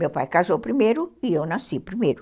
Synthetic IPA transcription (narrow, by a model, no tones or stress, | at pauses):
mewpajkazowpɾimejɾʊiewnasipɾimejɾʊ